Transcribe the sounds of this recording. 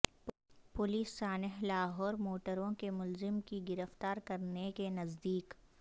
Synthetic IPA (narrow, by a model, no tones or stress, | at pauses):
pʊliːsːaːnəɦlaːɦɔːɾmoːʈəɾõkemʊlzɪmkiɡɪɾəft̪aːɾkɐɾnekenɐzd̪iːk